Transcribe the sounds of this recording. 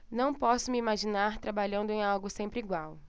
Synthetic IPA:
nɐ̃w̃pɔsʊmɪimaʒinaɾt̪ɾabaʎɐ̃nd̪ʊẽawɡʊsẽmpɾɪiɡwaw

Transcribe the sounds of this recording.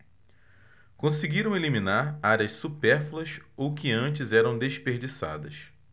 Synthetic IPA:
kõsɪɡiɾɐ̃w̃elimĩnaɾaɾʲɐssupɛɾfulˠɐsowkɪɐ̃t͡ʃɪzɛɾɐ̃w̃d̪eʃpeɾd͡ʒisa̰d̪ɐs

